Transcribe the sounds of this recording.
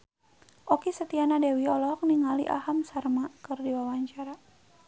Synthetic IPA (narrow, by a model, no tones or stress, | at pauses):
ʔɔkisət̪ianadewiɔlɔk̚niŋalḭʔa̰ɦamsarmakɨrdiwawaɲt͡ʃaɾa